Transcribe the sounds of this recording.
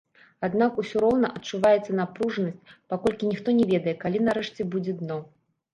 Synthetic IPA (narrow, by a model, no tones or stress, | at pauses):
ad̪nakusʲuɾɔwnɐʔɐt͡ʂːuvajɛt̪sːɐnapɾuʐnɐsʲt͡sʲpakɔlʲkʲinʲixt̪ɔnʲɛvʲɛd̪ɐjɛkalʲinaɾɛʂt͡sʲɛbud͡zʲɛd̪nɔ